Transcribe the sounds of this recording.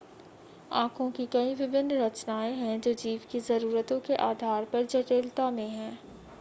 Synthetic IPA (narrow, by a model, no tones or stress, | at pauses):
ã̰ːkʰõkikɐĩʋɪbɪnːɾɐt͡ʃnaːẽɦɛ̃d͡ʒoːd͡ʒiːʋkizɐɾuːɾət̪õkeʔaːd̪ʱaːɾpɐɾd͡ʒɐʈeːlt̪amẽɦɛ̃ː